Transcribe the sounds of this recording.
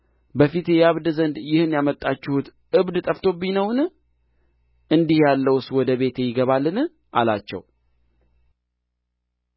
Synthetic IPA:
bəfit̪jaβd̪zənd̪jɪhɨnjamət̪ʼːat͡ʃːɪhut̪ | ʔɨβd̪t̪ʼəft̪ʰo̞binəwn | ʔɨnd̪ihjalːəwswɔd̪əβe̞t̪ʰejɪɡəβalːɨn | ʔala̰t͡ʃːɛ̰w

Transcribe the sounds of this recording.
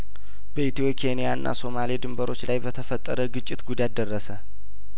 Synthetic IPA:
bəit̪ʰijo̞kʰenijaɨnːʔa̰so̞malid̪ɨmbəɾo̞t͡ʃːlajbət̪ʰəfət̪ʼːəɾəɡɨt͡ʃʼːɪt̪ɡud̪at̪d̪ərːəsə

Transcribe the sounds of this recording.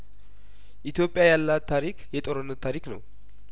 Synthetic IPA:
ʔit̪jo̞pʼjajalːat̪ʰːaɾikʰjɛt̪ʼoɾənːət̪ʰːaɾiknə̰w

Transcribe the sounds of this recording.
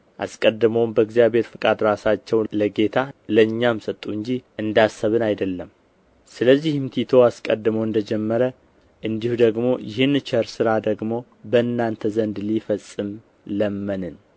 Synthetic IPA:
ʔa̰skʼəd̪ːɨməwmbəɨɡzijaβʱe̞ɾfɨkʼad̪ɾasat͡ʃːɛwləɡe̞t̪ʰaləɨɲːamsət̪ʼːuɨɲd͡ʒiʔɨnd̪asːəβɨnajd̪əlːəm | sɨləzːihmt̪ʰit̪ʰo̞askʼəd̪ːɨməwɨnd̪əd͡ʒɛmːəɾə | ʔɨnd̪ihud̪əɡmo̞jɪɦɨnːt͡ʃəɾsɨɾad̪əɡmo̞ | bəɨnːant̪ʰəzənd̪lifəsʼɨm | ləmːənɨn

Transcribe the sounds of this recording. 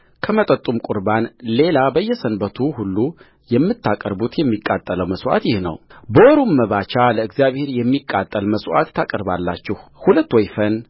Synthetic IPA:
kʰəmət̪ʼət̪ʼːumkʼuɾbanle̞labəjːɛsənbət̪ʰuhulːu | jɛmːɨt̪ʰːakʼəɾbut̪jɛmːikʼːat̪ʼːələwməsʔa̰t̪jɪhnə̰wbəwɔɾummːəβat͡ʃaləɨɡzijaβhe̞ɾjɛmːikʼːat̪ʼːəlməswʔa̰t̪ʰːakʼəɾbalːa̰t͡ʃːɪhhulət̪ːwɔjfən

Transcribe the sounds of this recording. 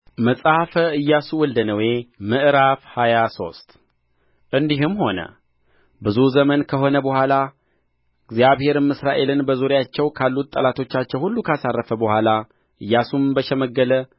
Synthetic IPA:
məsʼahfəɨjːasuwɔld̪ənəwe̞mɨʔɨɾafhajaso̞̰st̪ʼ | ʔɨnd̪iɦɨmho̞nə̰ | bɨzuzəmənkʰəɦo̞nəbəhʷala | ɨɡzjaβhe̞ɾɨmɨsɾaʔe̞lɨnbəzuɾjat͡ʃːɛwkʰalːut̪ʼːəlat̪ʰo̞t͡ʃːat͡ʃːɛwhulːukʰəasarːəfəbəhʷala | ʔɨjːasumbəʃɛməɡːələ

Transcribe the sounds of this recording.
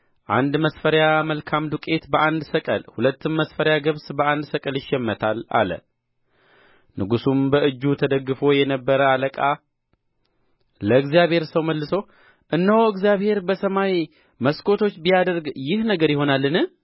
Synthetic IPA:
ʔa̰nd̪məsfəɾjaməlkʰamd̪ukʼe̞t̪bəʔand̪səkʼəlhulət̪ːɨmməsfəɾjaɡɨβsbəand̪səkʼəljɪʃːɛmːət̪ʰala̰lə̰ | nɨɡusumbəʔɨd͡ʒːut̪ʰəd̪əɡːɨfo̞jɛnəbːəɾəaləkʼa | ləɨɡzijaβhe̞ɾsəwməlːɨso | ʔɨnːəwɨɡzjaβhe̞ɾbəsəmaj | məskʰʼo̞t̪ʰo̞t͡ʃːbijad̪əɾɡjɪhnəɡəɾjɪho̞nalːɨnɨ

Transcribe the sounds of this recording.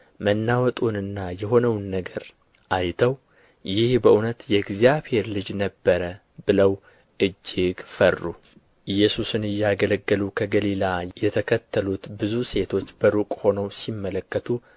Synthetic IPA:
mənːawət̪ʼunɨnːajɛɦo̞nəwnːəɡəɾ | ʔajt̪ʰəw | jɪhbəʔunət̪jɛɡzijaβhe̞ɾlɨd͡ʒnəbːəɾə | bɨləw | ʔɨd͡ʒːɪɡfərːu | ɨjːɛsusɨnɨjːɛaɡələɡːəlukʰəɡəlilajɛt̪ʰəkʰət̪ʰːəlut̪bɨzuse̞t̪ʰo̞t͡ʃːbəɾukʼho̞nəwsimːələkːət̪ʰu

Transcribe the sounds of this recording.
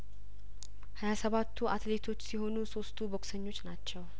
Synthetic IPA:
hajasəβat̪ʰːuʔat̪let̪ʰo̞t͡ʃːsiɦo̞nuso̞st̪ʰubo̞ksəɲːo̞t͡ʃːnat͡ʃːɛw

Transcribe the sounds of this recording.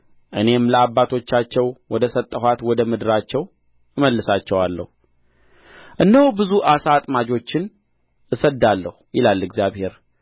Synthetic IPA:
ʔɨne̞mləabːat̪ʰo̞t͡ʃːat͡ʃːɛwwɔd̪əsət̪ʼːəɦʷwat̪wɔd̪əmɨd̪ɨɾat͡ʃːɛw | ɨməlːɨsat͡ʃːɛwalːə̰hu | ʔɨnːəhubɨzuʔasat̪ʼmad͡ʒo̞t͡ʃːɪn | ɨsəd̪alːəhujɪlalːɨɡzjaβhe̞ɾ

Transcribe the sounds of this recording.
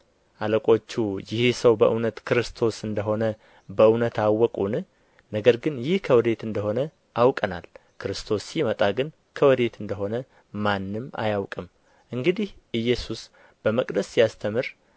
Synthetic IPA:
ʔaləkʼo̞t͡ʃːujɪhsəwbəʔɨnət̪kʰɨɾɨst̪ʰo̞sɨnd̪əɦo̞nə | bəɨnət̪awːɔkʼunɨ | nəɡəɾɡɨnjɪhkʰəwɨd̪e̞t̪ɨnd̪əɦo̞nə | ʔawkʼənalkʰɨɾɨst̪ʰo̞sːimət̪ʼaɡɨn | kʰəwɨd̪e̞t̪ɨnd̪əɦo̞nə | manːɨma̰jawkʼɨm | ʔɨŋɡɨd̪ihʔɨjːɛsus | b̥əməkʼd̪əsːijast̪ʰəmɨɾ

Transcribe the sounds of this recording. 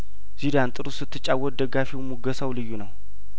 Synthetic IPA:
z̥id̪ant̪ʼɨɾusɨt̪ːɨt͡ʃʼawːɔt̪̚d̪əɡːafiwmuɡəsawlɨjːunəw

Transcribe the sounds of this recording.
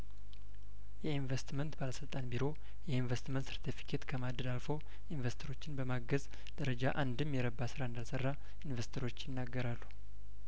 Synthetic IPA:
jɛinvest̪mənt̪baləsɨlt̪ʼanbiɾo̞ | jɛinvest̪mənt̪sɨɾt̪ʰifi̥kʰet̪kʰəmad̪əd̪alfow | invest̪ʰəɾo̞t͡ʃːɪnbəmaɡəz | d̪̥əɾəd͡ʒaʔand̪ɨmjɛɾəbːasɨɾaɨnd̪alsərːa | invest̪ʰəɾo̞t͡ʃːjɪnːaɡːəɾalːu

